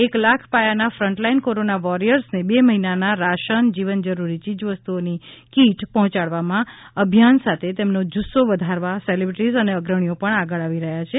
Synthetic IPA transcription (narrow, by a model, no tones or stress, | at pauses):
eklakʰpajanafɾəɳʈlainkoɾonaʋɔɾijəɾsnebeməɦinanaɾaʃənd͡ʒiʋənd͡ʒəɾuɾit͡ʃid͡ʒʋəst̪uonikiʈpɔɦɔ̃t͡ʃaɽʋamã | əbʱjansat̪ʰet̪emnod͡ʒusoʋəd̪ʱaɾʋaselebɾʈizəneəɡɾəɳ̃ijopəɳaɡəɭaʋiɾəɦjat͡ʃʰe